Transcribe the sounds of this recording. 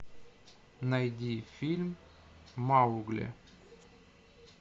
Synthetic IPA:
najd̪ʲifʲilʲm | mauɡlʲḛ

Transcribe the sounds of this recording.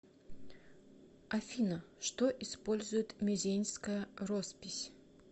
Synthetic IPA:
ɐfʲinəʂt̪oʔɪspolʲzʊjɪt̪mʲʏzʲenʲskəjərospʲɪsʲ

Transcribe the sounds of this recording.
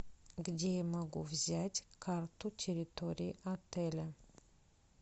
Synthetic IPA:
ɡd̪ʲeməɡuvzʲat̪ʲkʰart̪utʲʰeɾit̪oɾʲiːʔat̪elʲə

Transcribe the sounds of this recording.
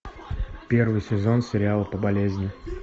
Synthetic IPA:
pʲe̞rvɨjsʲɪzo̞nsʲɪɾʲɪalˠəpəbɐlʲezʲnʲɪ

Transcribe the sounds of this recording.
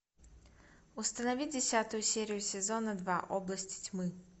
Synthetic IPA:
ust̪ɐnɐvʲid͡zʲɛsʲat̪ujusʲɛɾʲijusʲɛzɔnɐd̪vaʔɔblˠɐsʲt͡sʲi̥t͡sʲmɨ

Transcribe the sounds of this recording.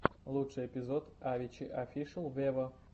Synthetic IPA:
lˠutʂɨjɪpʲɪzot̪avʲɪt͡ɕɪʔɐfʲiʂɨlˠvʲevə

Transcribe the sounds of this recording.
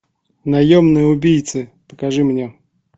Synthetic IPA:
nɐjomnɨjəʊbʲijt̪sɨpəkɐʐɨmnʲe

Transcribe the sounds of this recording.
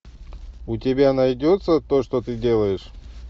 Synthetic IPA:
ʊtʲɪbʲanajdʲot̪sət̪oʂt̪ot̪ɨdʲe̞lˠəjɪʂ

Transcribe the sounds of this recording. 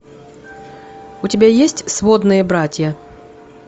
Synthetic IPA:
ʊtʲɪbʲajesʲtʲsvod̪nɨjəbɾatʲjə

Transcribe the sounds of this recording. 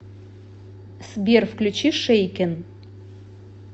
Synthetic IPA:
sbʲerfklʲut͡ɕiʂejkʲɛn

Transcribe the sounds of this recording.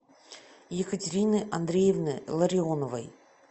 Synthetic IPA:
jekətʲɪɾʲinɨʔand̪ɾʲejevnɨlˠɐɾʲɪonovə̰j

